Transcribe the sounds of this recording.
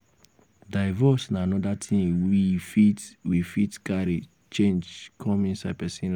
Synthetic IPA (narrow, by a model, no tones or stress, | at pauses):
daɪvɔsnaanɔdatʰĩnifitwifitkaɾed͡ʒ | t͡ʃẽnd͡ʒkʰɔ̃mĩnsaɪpɛsĩnl